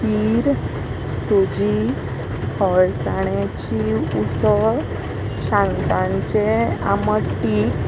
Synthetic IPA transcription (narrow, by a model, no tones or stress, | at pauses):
iːɾ | sod͡ʑi | hɔɭsaɳjat͡ɕiusə | ɕãŋt̪ãɲt͡ɕea̰məʈːi